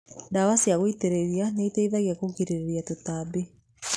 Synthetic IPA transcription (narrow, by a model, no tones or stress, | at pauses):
dawasiaɣoiteɾeɾianeiteiðaɣjakokiɾeɾeɾjatotabe